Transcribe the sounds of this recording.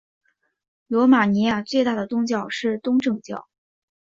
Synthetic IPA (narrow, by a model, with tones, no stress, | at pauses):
lɔ˧˥ma˨˩ni˧˥ja˥˩t͡swe˥˧ɪt̪a˥˩d̪ə˩t̪ʊ˥ŋt͡ɕjɑ˥˧ʊʂɻ̩˥˩t̪ʊ˥ŋʈ͡ʂɤ˥˧ŋt͡ɕjɑ̰˥˩ʊ